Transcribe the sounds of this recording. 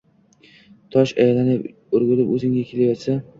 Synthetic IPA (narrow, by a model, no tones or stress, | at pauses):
t̪ʰɒʃajlanɪp | ʊɾɡʊlɪpɵzɪŋɡʲakʲʰe̞lajɒt̪sa